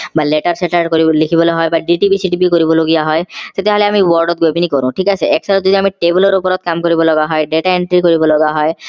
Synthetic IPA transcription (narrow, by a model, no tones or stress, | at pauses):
baleʈaɾseʈaɾɖkoɾilikʰibɔloɦɔebaɖiʈibisiʈibikoɾibɔloɡijaɦɔet̪et̪eɦɔleamiwɔɾɖɔt̪̚ɡoebinikoɾũʈʰikat͡ɕʰeɛksaɾɔd̪ut̪iamiʈebulɔɾupɔɾɔt̪̚kamkoɾibɔlɔɡaɦɔeɖeʈaeɳʈɾikoɾibɔlɔɡaɦɔe